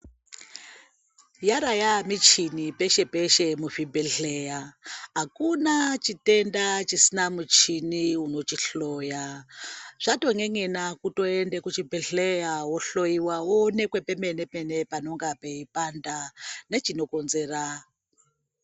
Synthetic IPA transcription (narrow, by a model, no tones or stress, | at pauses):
jaɾajamit͡ʃʰinipeʃepeʃemuɸibeɬejaɦakunat͡ʃitendat͡ʃisinamut͡ʃʰiniunot͡ʃiɬoja | ʐ̥atoŋeŋenakutoendekut͡ʃibeɬejawoɬoiwaonekwepemenepenepanoŋɡapeipandanet͡ʃinokonzera